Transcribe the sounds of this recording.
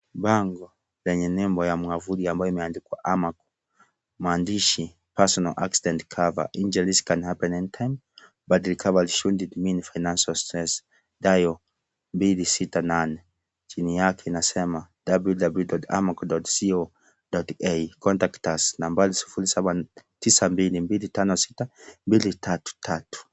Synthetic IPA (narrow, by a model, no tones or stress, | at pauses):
baŋɡɔ | lɛɲɛnɛmbɔjamuavuɾiambajɔimɛandikwaʔamakɔ̥ | mandiʃi | pasɔnalʔa̰ksidɛntkʰava̰ʔind͡ʒɛliskanhapɛnɛntʰajm | batilikʰavaliʃundidminfajnansalstɾɛs | dajɔ | mbilisitananɛ | d͡ʒiniakʰɛnasɛma | d̥abudabludɔta̰makdɔtsio | dɔtejkʰɔntaktasnambalisu̥fulisabantisambilimbilitanɔsitambilitʰatu̥tʰatu̥